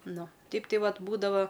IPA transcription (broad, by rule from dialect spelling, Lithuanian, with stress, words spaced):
ˈnʊ ˈtʲɛɪp ˈtɐɪ ˈʋɐt ˈbuːdɐʋɐ